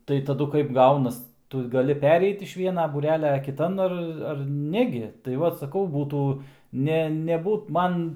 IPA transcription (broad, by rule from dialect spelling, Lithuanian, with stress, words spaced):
tɐɪ tɐˈdʊ kɐɪp ˈɡɐʊnɐs ˈtʊ ɡɐˈlʲɪ ˈpʲæːrʲɛɪt ɪʃ ˈʋʲiɛnɐ buːˈrʲæːlʲɛ kʲɪˈtɐn ˈɐr ˈɐr ˈnʲæːɡʲɪ tɐɪ ˈʋɐt sɐˈkɐʊ ˈbuːtuː ˈnʲɛ nʲɛˈbuːt ˈmɐn